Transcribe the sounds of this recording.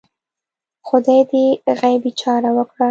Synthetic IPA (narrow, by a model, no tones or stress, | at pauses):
xʊd̪ɑjd̪eɣajbit͡ʃɑɾawəkɽa